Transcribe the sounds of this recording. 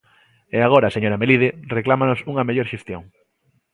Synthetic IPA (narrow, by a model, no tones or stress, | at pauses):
eaɣ̞oɾaseɲoɾamelið̞ɪreklamanosuŋɐmeʎoɾʃest̪joŋ